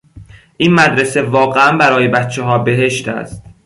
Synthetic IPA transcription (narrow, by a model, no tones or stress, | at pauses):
ʔiːnmæd̪ɾese̞vɒːɣeænbæɾɒːjebæt̪̚t͡ʃʰeɦɒːbe̞ɦe̞ʃt̪ʰæ̰st̪̚